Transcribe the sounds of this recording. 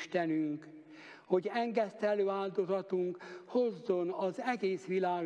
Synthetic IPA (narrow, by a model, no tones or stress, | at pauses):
ʃt̪ɛnyŋk | ho̞ɟɛŋɡɛst̪ɛløːaːld̪o̞zɒt̪uŋkho̞zːo̞nɒzɛɡeːsʋilaːɡ